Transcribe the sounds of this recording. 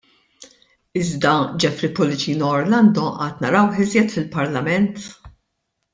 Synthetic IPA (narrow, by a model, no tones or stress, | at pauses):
ɪzd̪ɐd͡ʒɛfɾɪpɔlɪt͡ʃiːnɔːɾlɐnd̪ɔʔɐːt̪nɐɾɐwħɪzjɛt̪fɪlpɐɾlɐmɛnt̪